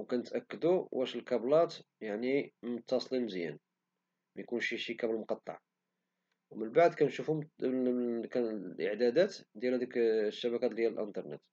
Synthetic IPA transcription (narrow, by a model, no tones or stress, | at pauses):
wkænət̪ʔækːəd̪uwʔæʃəlkɑblɑt̪ | jaʕnimʊt̪ːɑsˤlimzjæ̰n | mʔæjkunʃiʃikæbəlmʊqɑt̪ˤːɑ̰ʕ | wmənbaʕd̪kænʃufumkælʔə̰ʕd̪æd̪æt̪d̪jælhæd̪ikʃːæbækæt̪ljælʔənt̪ɑɾˤnə̰t̪